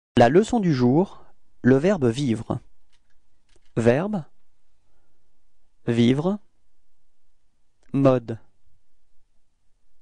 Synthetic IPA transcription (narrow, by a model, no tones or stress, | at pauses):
laləsɔ̃d̪yʒuʁləvɛʁbvivʁə | vɛʁb | vivʁ | mɔd̪